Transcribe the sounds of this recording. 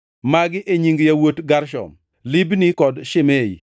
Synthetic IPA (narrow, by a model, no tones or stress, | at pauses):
maɡɪʔeɲiŋɡjawotɡaɾʃɔ̰m | libnikɔdʃɪmei